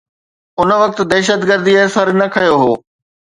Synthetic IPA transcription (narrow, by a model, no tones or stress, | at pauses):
ʊnʋɐk̚t̪d̪ɛːʃ̬əd̪ɡəɾd̪iesɐɾnɐkʰɐjoɦoː